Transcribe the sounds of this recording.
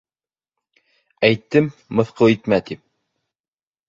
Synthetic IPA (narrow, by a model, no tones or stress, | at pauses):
æjt̪ːɘmːɤ̆θqɤwit̪mæt̪ip̚